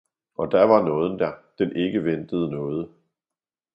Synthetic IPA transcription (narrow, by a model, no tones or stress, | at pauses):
ʔɒ̽d̥æɐʋɑ̈nɔ̽ːð̞ˠən̩d̥æɐd̥enʔe̝ɡ̥əʋend̥əð̞̩ˠənɔ̽ːð̞ˠə